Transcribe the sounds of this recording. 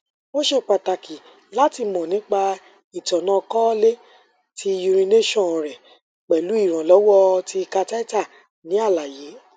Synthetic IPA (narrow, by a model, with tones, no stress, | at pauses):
wo˦ʃe˦˨k͡pa˨ta˨ki˨ | la˦ti˧˨mɔ̃˨nĩ˨˦k͡pa˧ | i˨tɔ˨nã˧kɔ˦le˦ | tʰi˧ju˧ɾ̃ĩ˧ne˦ʃɔ̃˦˨ɾɛ˨ | k͡pɛ˨lu˨˦i˦˨ɾ̃ã˨lɔ˨˦wɔ˦˧ti˧ka˧ta˦i˦ta˦˨ | nĩ˨˦a˦˨la˨je˨˦